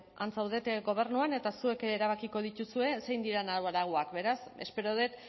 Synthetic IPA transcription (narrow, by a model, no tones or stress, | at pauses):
a̰nt͡sawðe̞t̪ɡo̞β̞e̞ɾnuane̞t̪asue̞keːɾaβ̞akiko̞ð̞it̪usue̞se̞jnd̪iɾanaβalaɣ̞oakbe̞ɾase̞spe̞ɾo̞ðe̞t̪